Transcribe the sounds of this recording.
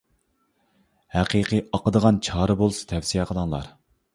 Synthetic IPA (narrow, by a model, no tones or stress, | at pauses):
hæqiqʰiɑqəd̪əʁɑnt͡ʃʰɑːɾɨbolˠɨsɨ̥t̪ʰɛfsijɛqʰəlˠəŋlˠɑ̰ɾ